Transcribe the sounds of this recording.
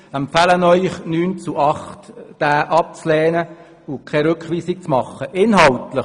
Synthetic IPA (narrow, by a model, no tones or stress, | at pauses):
ɛmpfælənœʏχnyːnt͡suʔɑχtd̥æːʔɑp̚t͡slɛːnə | ʊkʰɛɾʏkχʋiːsɪk̚t͡smɑχːəʔɪnɦɑltlə